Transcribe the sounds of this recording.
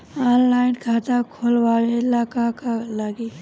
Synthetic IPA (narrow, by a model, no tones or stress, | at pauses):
aːnlaːɪnkʰaːt̪akʰoːlʋaːlelaːkakalaɡi